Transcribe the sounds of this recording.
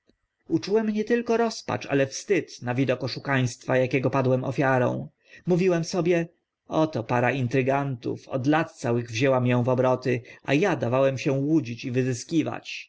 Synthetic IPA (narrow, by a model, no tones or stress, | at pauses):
ut͡ʂuwɛmɲɛt̪ɘlkɔɾɔspa̰t͡ʂa̰lɛfst̪ɘt̪navʲid̪ɔkɔʂukaj̃st̪fajakʲɛɡɔpad̪wɛmɔ̰fʲjaɾɔ̰̃w̃ | muvʲiwɛmsɔbʲjɛ | ɔt̪ɔpaɾaint̪ɾɘɡant̪ṵfɔ̰d̪lat̪̚t̪sawɘɣvʑɛwamjɔ̃w̃vɔbɾɔt̪ɘʔa̰jad̪avawɛmɕɛ̃wud͡ʑit͡ɕivɘzɘskʲiva̰t͡ɕ